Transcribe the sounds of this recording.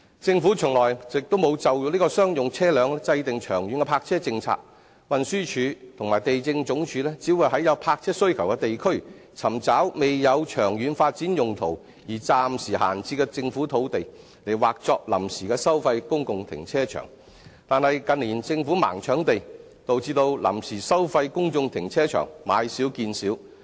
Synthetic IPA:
t͡sɪ˧ŋfu˨˥t͡ʃʰɵ˨˩ŋlɔː˨˩jjɪ˨k̚t̪o˥wmo˨˧wt͡sɐ˨wju˨˥liː˥kɔː˧sœː˥ŋjʊ˨ŋt͡sʰɛː˥lœː˨˧ŋɛ˥t͡sɐ˧jt̪ɪ˨ŋt͡ʃʰœː˨˩ŋjyː˨˧nkɛː˧pʰaː˧k̚t͡sʰɛː˥t͡sɪ˧ŋt͡sʰa̰ː˧k̚ | wɐ˨nsyː˥t͡ʃʰyː˨˧t̪ʰʊ˨˩ŋmaː˨˩jt̪e˨jt͡sɪ˧ŋt͡sʊ˨˥ŋt͡ʃʰyː˨˧˥lɛː˥t͡siː˨˥wuː˨˧jhɐ˨˥jɐ˨˧wpʰaː˧k̚t͡sʰɛː˥sɵ˥ɥkʰɐ˨˩wkɛ˧t̪e˨jkʰɵ˥ɥt͡sʰɐ˨˩mt͡saː˨˥wme˨jjɐ˨˧wt͡ʃʰœː˨˩ŋjyː˨˧nfaː˧t̚t͡si˨˥njʊ˨ŋt̪ʰo̰˨˩w | jiː˨˩t͡saː˧msiː˨˩ha̰ː˨˩nt͡siː˧kɛ˧t͡sɪ˧ŋfu˨˥t̪ʰo˨˧wt̪e˨j | le˨˩jwaː˨k̚t͡sɔː˧k̚lɐ˨˩msiː˨˩kɛː˧sɐ˥wfɐ˧jkʊ˥ŋkʊ˨ŋt̪ʰɪ̰˨˩ŋt͡sʰɛː˥t͡ʃʰœ̰ː˨˩ŋ | t̪aː˨nhɐ˨jkɐ˨˧nliː˨˩nt͡sɪ˧ŋfuː˨˥ma̰ː˨˩ŋt͡ʃʰœː˨˥ŋt̪e˨j | t̪o˨wt͡siː˧t̪o˧wlɐ̰˨˩msiː˨˩sɐ˥wfɐ˧jkʊ˥ŋt͡sʊ˧ŋt̪ʰɪ˨˩ŋt͡sʰɛː˥t͡ʃʰœ̰ː˨˩ŋmaː˨˧jsiː˨˥wkiː˧nsiː˨˥w

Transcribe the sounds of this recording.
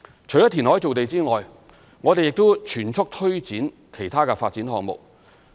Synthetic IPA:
t͡ʃʰɵ˨˩jɐ˥t̪ʰiː˨˩nhɦɔː˨˥jt͡so˨wt̪e˨jt͡siː˥ŋɔː˨j | ŋɔː˨˧t̪e˨jɪ˨k̚t̪o˥wt͡ʃʰyː˨˩nt͡sʰʊ˥k̚t̪ʰɵ˥ɥt͡siː˨˥n | kʰe˨˩jt̪ʰaː˥kɛ˧faː˧t̚t͡si˨˥nɦɔː˧ŋmʊ̰˨k̚

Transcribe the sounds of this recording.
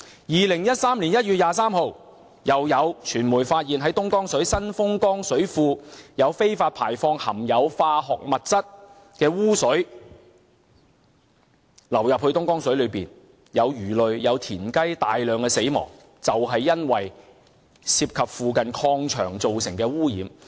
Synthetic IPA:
jiː˨lɪ˨˩ŋjɐ˦˥t̚saː˥mliː˨˩njɐ˥t̚ɥyː˨t̚jaː˨s̬aː˥mho˨w | jɐ˨wjɐ˨˧wt͡ʃʰyː˨˩nmuː˨˩jfaː˧t̚jiː˨nɦɐ˨˥jt̪ʊ˥ŋkɔː˥ŋsɵ˨˥ɥsɐ˥nfʊ˥ŋkɔː˥ŋsɵ˨˥ɥfuː˧jɐ˨˧wfe˥jfaː˧t̚pʰaː˨˩jfɔː˧ŋhɐ˨˩mjɐ˨˧wfaː˧ɦɔː˨k̚mɐ˨t̚t͡sɐ˥t̚ | kɛː˧wuː˥sɵ˨˥ɥ | lɐ˨˩wjɐ˨p̚hɵ˧ɥt̪ʊ˥ŋkɔː˥ŋsɵ˨˥ɥlɵ˨˧ɥpiː˨˩n | jɐ˨˧wjyː˨˩lɵ˨ɥjɐ˨˧wt̪ʰiː˨˩nkɐ˥jt̪aː˨jlœː˨ŋkɛː˧se˨˥jmɔ̰ː˨˩ŋ | t͡sɐ˨wɦɐ˨jːɐ˥nwɐ˨j | siː˧p̚kʰɐ˨p̚fuː˨kɐ˨nkʰɔː˧ŋt͡ʃʰœ̰ː˨˩ŋt͡so˨wsɪ˨˩ŋkɛː˧wuː˥jḭː˨˧m

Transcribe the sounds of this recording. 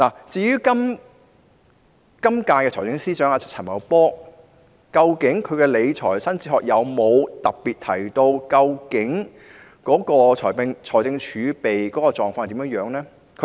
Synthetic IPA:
laː˨˩t͡siː˧jyː˥kɐ˥m | kɐ˥mkaː˧kɛ˧ɔː˨˩jt͡sɪ˧ŋsiː˥t͡ʃœː˨˥ŋa˨˧t͡s̚ʰt͡sʰɐ˨˩nmɐ̰˨˧wpɔː˥ | kɐ˧wkɪ˨˥ŋkʰɵ˨˧ɥkɛː˧le˨˧jt͡ʃʰɔ̰ː˨˩jsɐ˥nt͡siː˧˥ɦɔː˨k̚jɐ˨˧wmo˨˧wt̪ɐ˨p̚piː˨t̪̚ʰɐ̰˨˩jt̪o˧wkɐ˧wkɪ˨˥ŋ | kɔː˨˥kɔː˧t͡ʃʰɔː˨˩jpŋt͡ʃʰɔː˨˩jt͡sɪ˧ŋt͡ʃʰyː˨˧pe˨jkɔː˨˥kɔː˧t͡ʃɔː˨ŋfaː˧˨˩t̪i˨˥mjœː˧˥ŋjœː˨˥ŋnɛː˥ | kʰ

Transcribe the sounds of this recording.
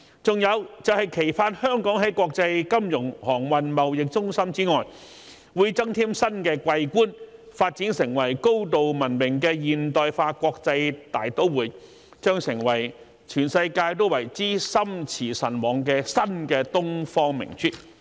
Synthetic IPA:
t͡sʊ˨ŋjɐ˨˧wt͡sɐ˨whɐ˨jkʰe˨˩jfaː˧nhœː˥ŋkɔː˨˥ŋɦɐ˨˥jkʷɔː˧k̚t͡sɐ˧jkɐ˥mjʊ˨˩ŋhɔː˨˩ŋwɐ˨nmɐ˨wjɪ˨k̚t͡sʊ˥ŋsɐ˥mt͡siː˥ŋɔː˨j | wuː˨˥jt͡sɐ˥ŋt̪ʰiː˥msɐ˥nkɛː˧kʷwʷɐ˧jkuː˥nfaː˧t̚t͡siː˨˥nsɪ˨˩ŋwɐ˨˩jko˥wt̪o˨wmɐ˨˩nmɪ˨˩ŋkɛː˧jiː˨˩nt̪ɔː˨jfaː˧kʷɔː˧k̚t͡sɐ˧jt̪aː˨jt̪o˥wwuː˨˩t | t͡ʃœː˥ŋsɪ˨˩ŋwɐ˨˩j | t͡ʃʰyː˨˩nsɐ˧jkaː˧jt̪o˥wɐ˨˩jt͡siː˥sɐ˥mt͡sʰiː˨˩sɐ˨˩nwɔː˨˩ŋkɛː˧sɐ˥nkɛː˧t̪ʊ˥ŋfɔː˥ŋmɪ̰˨˩ŋt͡ʃʰyː˥t̚

